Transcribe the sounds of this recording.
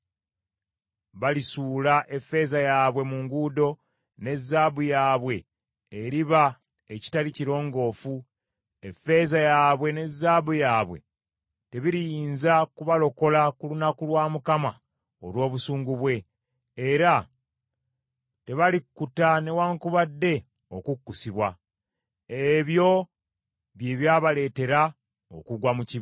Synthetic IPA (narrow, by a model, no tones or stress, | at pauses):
βalisuːlaʔe̞fːe̞zajaβwe̞muŋɡudo̞ | ne̞zːaːbujaːβwe̞ː | ɾiβa | eci̥taliciɾo̞ːŋɡo̞ːfu | e̞fːe̞zajaːβwe̞ne̞zːaːβujaːβwḛ | te̞βiɾijiːnzakuβalo̞ko̞lakulunakulwaːmukama | o̰lwo̞ːβusuːŋɡuβwe̞ː | ɾa | te̞βalikːutane̞waːŋkuβadːe̞ | o̞kukːusiβwa | eβjo̞ | βjeːβjaːβale̞ːte̞ɾa | o̞̰kuɡwamuci